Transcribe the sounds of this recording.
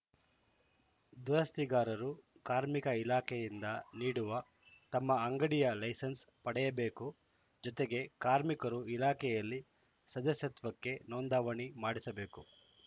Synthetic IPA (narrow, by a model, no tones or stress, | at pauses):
d̪uɾɐst̪iɡaːɾɐɾu | kaːɾmikɐilaːkʰɛjind̪ɐniːɽuʋɐ | t̪ɐmːɐːŋɡɐɽijɐlɐjsɐnspɐɽɛjɐbe̞ːku | d͡ʒɔt̪eɡe̞kaːɾmikɐɾuilaːkʰɛjɐlːi | sɐd̪ɐsjɐt̪ʋɐkːe̞noːnd̪aːʋɐɳimaːɽisɐbe̞ːku